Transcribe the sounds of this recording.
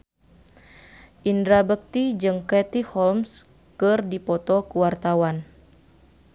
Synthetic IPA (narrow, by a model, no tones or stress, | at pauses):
ʔindɾabək̚t̪id͡ʒɨŋkɛt̪ihɔlms | kɨrdipɔt̪ɔkuwart̪awan